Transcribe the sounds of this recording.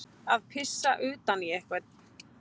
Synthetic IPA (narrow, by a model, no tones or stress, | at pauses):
aðpʰɪsːaʔʏːt̪aniɛhkvɛt̪̚n